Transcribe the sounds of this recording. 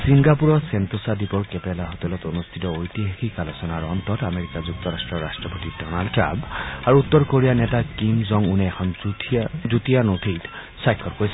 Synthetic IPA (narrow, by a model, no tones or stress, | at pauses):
siŋɡapuɹɔsent̪osad̪ʱipɔɹkepɛlaɦot̪ɛlɔt̪onust̪ʰitɔojt̪iɦekʰikalɔsɔnaɹɔnt̪ɔtameɹikazuk̚t̪ɔɾasʈɹɔɹasʈɹɔpotidɔnaldʈɹa̰mpaɹuut̪ːɔɹkoɹijanɛtakimzɔŋuneːxʰɔn | zut̪ijanot̪ʰejt | sajkʰːɔɹkojs